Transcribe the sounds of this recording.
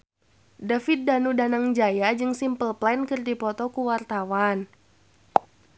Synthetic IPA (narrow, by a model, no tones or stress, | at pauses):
dafit̪̚danudanaŋd͡ʒajad͡ʒɨŋsimpəlplankɨrdipɔt̪ɔkuwart̪awan